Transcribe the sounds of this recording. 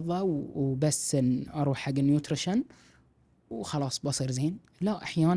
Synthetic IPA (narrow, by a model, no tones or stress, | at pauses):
ðˤɑwbasːɪnʔɑɾˤuːħħaɡːɪnjuːt̪ɾɪʃan | wxɑlɑːsˤbɑsˤiɾzeːn | laʔaħjaːn